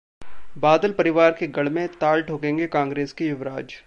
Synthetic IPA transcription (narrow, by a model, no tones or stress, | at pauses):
baːd̪əlpɐɾɪʋaːɾkeɡɐɽ̤mẽt̪aːlʈʰoːkẽːŋɡekãːŋɡɾeːskijʊʋɾaːd͡ʒ